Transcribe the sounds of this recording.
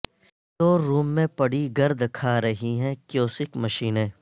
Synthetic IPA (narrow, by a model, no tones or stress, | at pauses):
t̪oːɾuːmːẽpɐɽiɡɐɾd̪ʱkʰaɾɐɦiɦɛ̃kjoːsɪkmɐʃiːnẽː